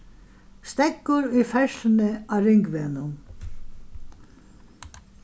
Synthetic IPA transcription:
st̪ɛkːʊɾʊjfɛʃlɪnɪaɾɪŋkʋɛːnʊn

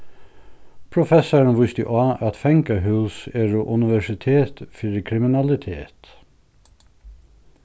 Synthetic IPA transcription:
pʰɹʊfɛsəɹnʋʊst̪ɪ̰ʔɑːʔæt̪fɛŋkəɦʉːseːɹuʔʉnɪʋæʃɪt̪ʰeːt̪fɪɾəkʰɹɪmɪnɑlɪt̪ʰḛːt̪

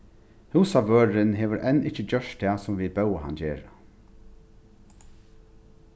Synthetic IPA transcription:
huːsaʋøːɹɪnɦeːʋəɾʔɛnɪht͡ʃəd͡ʑœʂtt̪ʰɛːsʊmʋiːbɛwaɦa̰nd͡ʑeːɾa

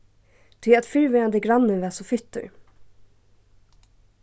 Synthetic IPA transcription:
t̪ʰɪɛt̪fyɾʋœːɑnd̪əɡɾɑnːəʋæːsɔfʏt̪ːə̰

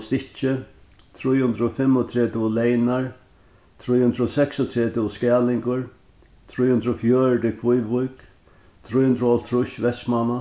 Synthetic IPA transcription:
st̪ɪt͡ʃɪ | t̪ʰɾujhʊnd̪ɾɔfɪmːɔt̪ʰɾɛːt̪ɪʊlɛjnaɹ | t̪ʰɾujhʊnd̪ɾɔsɛksɔt̪ʰɾɛːt̪ɪʊskɛːlɪŋkʊɹ | t̪ʰɾuːjhʊnd̪ɾɔfjœːɻd̪ɪkʰʋʊjvʊjk | t̪ʰɾujhʊnd̪ɾʊɔlt̪ʰɾʊʃʋɛsmana

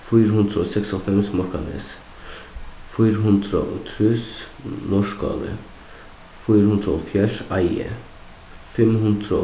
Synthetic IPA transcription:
fiːɾɦʉnd̪ɾɔsɛksɔfɛmsmɔɾkʰɑnɛ̰s | fiːɾɦʉnd̪ɾə̰ʔot̪ʰɾʉs | nɔʃkɑ̰ːlə̰ | fiːɾhʉnd̪ɾəɔ̰fjæʂɑjə̰ | fɛmɦʉnd̪ɾə

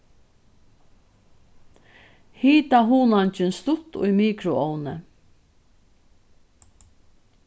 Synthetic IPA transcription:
hiːt̪aɦuːnant͡ʃɪnst̪ʊt̪ʊ̰jmiːkɾʊɔʊnə

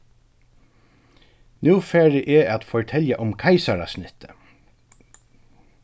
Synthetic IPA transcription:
nuːfæːɹəʔɛat̪fɔɹt̪ʰɛljaʔʊmkʰaɪsaɾa̰snɪt̪ʰə̥

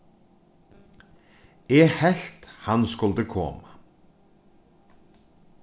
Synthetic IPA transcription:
eːhɛɬt̪hɑnskʊld̪əkʰɔ̰ːmə

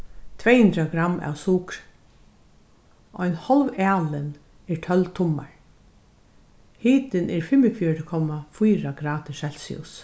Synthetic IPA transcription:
t̪ʰvɛːhɵnd̪ɾaɡɾamːʔa̰wsuːkɾ | ʔɔjnhɔlʋɛːlɪn | ɛɹtʰœlt̪ʰʊmːa̰ɹ | hiːt̪ɪnʔɛɹfɪmɪfjɔɹɪkʰɔmafujɾaɡ̥ɾaːt̪ɪʃɛlsḭʊ̰s

